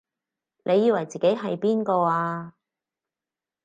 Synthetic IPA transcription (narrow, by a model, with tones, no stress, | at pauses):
nʔe˨˧jːiː˧wɐ˨˩jt͡siː˨ke˨˥jɦɐ˨jpiː˥nkɔː˧aː˧